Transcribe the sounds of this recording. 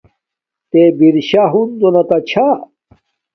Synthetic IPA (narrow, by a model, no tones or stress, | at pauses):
t̪ebiɾɕaɦund̪onɐt̪ɐt͡ɕʰa